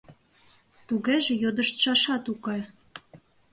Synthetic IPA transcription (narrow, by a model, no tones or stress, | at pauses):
t̪uɣeʒĕjod̪ə̆ʃt̪ʃɑʃɑt̪ukɑj